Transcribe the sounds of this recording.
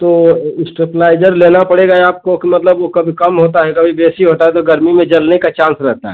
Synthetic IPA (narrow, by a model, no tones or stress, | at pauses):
t̪oːɪsʈɾeplaːɪd͡ʒəɾleːnapɐɽeɡaɛaːp̚kokimɐt̪ləbʋokɐbʱikɐmɦoːt̪aɦɛkɐbʱibeːsiɦoːt̪aɦɛt̪oɡɐɾmimẽd͡ʒɐlnekat͡ʃãːnsɾɛɦt̪aɦɛ